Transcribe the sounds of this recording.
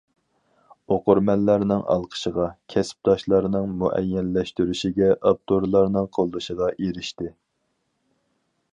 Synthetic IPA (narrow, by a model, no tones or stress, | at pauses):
oqʊɾmɛnːæɾnɪŋʔɑ̰lˠqʰə̥ʃəʁɑkʲʰɛsp̚d̪̥ɑʃlˠɑɾnɨŋmuʔɛ̰jːɛlːɛʃt̪yɾyʃiɡʲɛʔɑp̚t̪ʰoɾlˠɑɾnɨŋqʰolˠːɨʃəʁɑʔeɾɪʃt̪ɪ